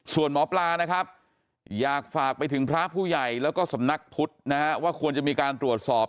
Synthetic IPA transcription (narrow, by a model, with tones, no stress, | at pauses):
su˨˩ənmɔː˩˦˥plaː˧na˦˥kʰa˦˥p̚ | jaː˨˩k̚faː˨˩k̚pa˧jt̪ʰɯ˩˦ŋpʰɾa˦˥ʔpʰuː˥˩ja˨˩jlɛː˦˥wkɔː˥˩sa˩˦mna˦˥k̚pʰu˦˥t̪̚na˦˥kʰa˦˥waː˥˩kʰu˧ənt͡ɕa˨˩miː˧kaː˧nt̪ɾu˨˩ət̪̚sɔː˨˩p̚